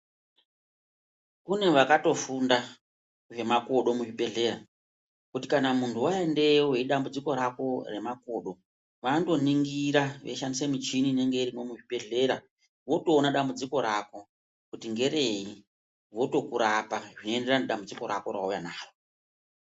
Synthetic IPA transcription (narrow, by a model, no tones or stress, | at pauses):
kune̞ʋakato̞funda | ʐe̞mako̞ɗo̞muʐiɓe̞ɮe̞ɾa | kutikanamuntʰuwaende̞weiɗambud͡ziko̞ɾako̞re̞mako̞ɗo̞ | ʋando̞niŋɡiɾaʋe̞ʃandisemit͡ʃinine̞ŋɡe̞irimo̞muʐiɓe̞ɮe̞ɾa | ʋo̞toːnaɗambud͡ziko̞ɾako̞ | kutiŋɡe̞ɾe̞i | ʋo̞to̞kuɾapaʐinoende̞raneɗambud͡ziko̞ɾa̰ko̞ra̰ujanaːro